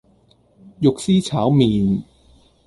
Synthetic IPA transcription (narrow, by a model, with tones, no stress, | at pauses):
jʊ˨k̚siː˥t͡sʰaː˨˥wmiː˨˧n